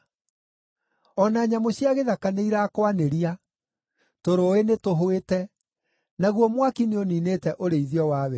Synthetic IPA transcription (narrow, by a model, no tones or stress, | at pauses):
ɔnaːɲamoɕjaɣeðakaneiɾakwaneɾia | toɾoenetoɦoetɛ | naɣwɔmwakineoniːnetɛʔoɾeiðjɔwaːβɛ